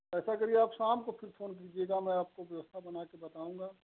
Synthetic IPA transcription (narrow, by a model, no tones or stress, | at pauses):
ɛːsakɐɾieaːpsaːmkofʰɪɾfʰoːnk̬iːd͡ʒieːɡamɛ̃aːp̚koʋjɐʋəst̪ʰabɐnaːkebɐt̪aːũːŋɡaː